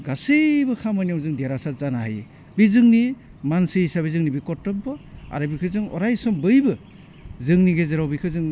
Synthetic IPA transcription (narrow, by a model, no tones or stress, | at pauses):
ɡasebɯkʰamɯniawzɯŋdijaɾasazanaɦaj | bizɯŋni | mansɯjsaβizɯŋnibikɔtːɔbbɯa̰ɾɯbikʰɯzɯŋɔ̰ɾajsɔmbɯjbɯ | zɯŋniɡezeɾawbikʰɯzɯŋ